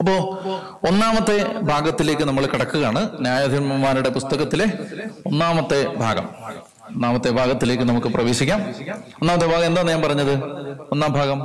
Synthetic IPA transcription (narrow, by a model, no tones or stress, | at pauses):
ɐpːo̞ː | onːaːmɐt̪ːe̞bʱaːɡɐt̪ːile̞ːk̬ʲːɨnɐmːɐɭkiɽɐkːuɣaːɳɨnjaːjɐd̪ʱimɐmaːnuɽe̞pust̪ɐɣɐt̪ːile̞o̞nːaːmɐt̪ːe̞bʱa̰ːɡɐ̰m | onːaːmɐt̪ːe̞bʱaːɣɐt̪ːile̞ːk̬ʲːɨnɐmukːɨprɐʋe̞ːɕikʲːaːmonːaːmɐt̪ːebʱaːɣɐme̞nd̪aːnːɐɲaːnmpɐrɐɲːɐðɨonːaːmbʱaːɡɐm